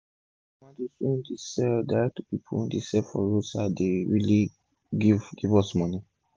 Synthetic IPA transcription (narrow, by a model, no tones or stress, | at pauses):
nãdesĩndisɛldaɛk̚tupipʰõ̰ndesɛlfɔ̰ɹosadeɹili | ɡivɡivɔsmɔni